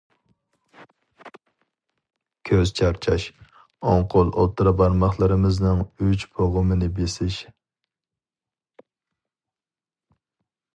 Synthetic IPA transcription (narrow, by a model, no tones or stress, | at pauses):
kʲʰøz̥t͡ʃʰɑɾt͡ʃʰɑʃ | oŋqʰʊlˠʔo̰t̪ʰːɨɾɑbɑɾmɑχlˠɨɾɨmɨznɨŋyt͡ʃpʰoʁʊmɨnɪbesɪʃ